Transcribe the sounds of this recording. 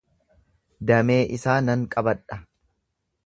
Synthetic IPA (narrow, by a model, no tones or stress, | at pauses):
d̪ɐme̞ːʔɪsaːnɐŋkʼɐbɐᶑɐ